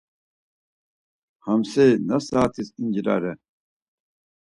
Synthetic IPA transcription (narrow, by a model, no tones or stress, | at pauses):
hɐmsenɐsaːt̪ʰisind͡ʑiɾa̰ːɾe